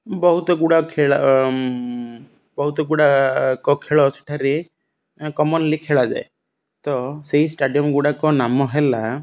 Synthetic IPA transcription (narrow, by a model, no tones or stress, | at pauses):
bɔɦut̪ɔɡuɽakʰeɭa | bɔɦut̪ɔɡuɽakɔkʰeɭɔse̥ʈʰaɾi | kɔmɔnlikʰeɭad͡ʒa̰e | t̪ɔseɦisʈaɖijɔmɡuɽakɔnamɔɦela